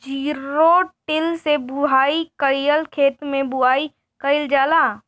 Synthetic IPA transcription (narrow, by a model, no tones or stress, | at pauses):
d͡ʒiːɾoʈɪlsebʊɦaːikəɾijəlkʰeːt̪mẽbʊɦaːi | kəɪld͡ʒaːlaː